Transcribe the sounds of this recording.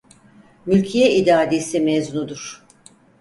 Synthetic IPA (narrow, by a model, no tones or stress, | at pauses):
mylʲcʰijɛid̪aːd̪isimɛznud̪uɾ̥